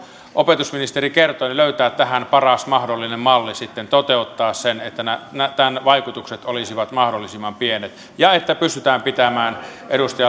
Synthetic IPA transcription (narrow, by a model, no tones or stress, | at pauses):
ʔopet̪usminist̪erikert̪oːniløyt̪æːt̪t̪æhænpɑrɑsmɑhdolːinemmɑlːisit̪ːent̪ot̪eut̪ːɑːssenet̪ːænænæt̪ænʋɑikut̪ukset̪olisiʋɑt̪mɑhdolːisimːɑmpienet̪ | jɑet̪ːæpyst̪yt̪æːmpit̪æmæːnʔeɾust̪ɑjɑ